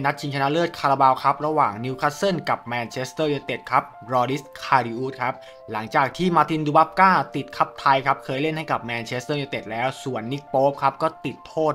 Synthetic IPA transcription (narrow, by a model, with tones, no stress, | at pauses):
na˦˥t̪̚t͡ɕʰi˧ŋt͡ɕʰa˧na˦˥ʔlɤː˥˩t̪̚kʰaː˧ɾa˧baː˧wkʰa˦˥p̚ɾa˧waː˨˩ŋni˦˥wkʰa˦˥tso˥˩nka˨˩p̚mɛː˧nt͡ɕʰe˦˥st̪ɤː˥˩joː˧t̪e˨˩t̪̚kʰa˦˥p̚ɾɔː˧ɾi˦˥skʰaː˧ɾiː˧ʔuː˦˥t̪̚kʰa˦˥p̚ | la˩˦ŋt͡ɕaː˨˩k̚t̪ʰiː˥˩maː˧t̪i˧nduː˧ba˦˥p̚kaː˥˩t̪i˨˩t̪̚kʰa˦˥p̚t̪ʰa˧jkʰa˦˥p̚kʰɤː˧jle˥˩nha˥˩jka˨˩p̚mɛː˧nt͡ɕʰe˦˥st̪ɤː˥˩jo˧t̪e˨˩t̪̚lɛː˦˥wsu˨˩ənːi˦˥k̚poː˦˥p̚kʰa˦˥p̚kɔː˥˩t̪i˨˩t̪ʰːoː˥˩t̪̚